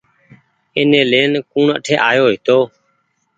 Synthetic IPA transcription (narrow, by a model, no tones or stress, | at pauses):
ɪneːleːnkuːɳə̰ʈʰeːʔaːjoːɦɪt̪oː